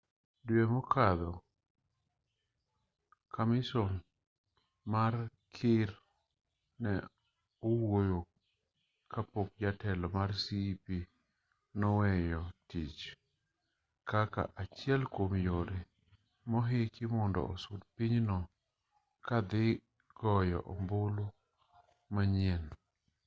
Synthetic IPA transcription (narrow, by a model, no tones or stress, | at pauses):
dwemɔkʰad̪ɔ | kʰamɪsɔn | mar | kʰɪɾ | nɛ | ɔwojo | kʰapok̚d͡ʒatɛlɔmarsipi | nɔwɛjɔtit͡ʃ | kaka̰ʔat͡ʃjɛlkwomjoɾe | mɔɦɪkʰɪmɔndɔ̰osudpiɲnɔ | kad̪ɪ | ɡ̥ɔjɔ̰ʔɔmbolo | maɲɛn